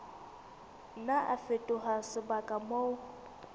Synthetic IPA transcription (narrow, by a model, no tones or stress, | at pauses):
naʔa̰fetʼʊɦasɪbakʼamoʊ